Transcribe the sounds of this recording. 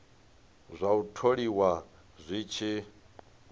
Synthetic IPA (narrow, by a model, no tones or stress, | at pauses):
zʷautʰoɺiwa | zʷiːt͡ʃʰi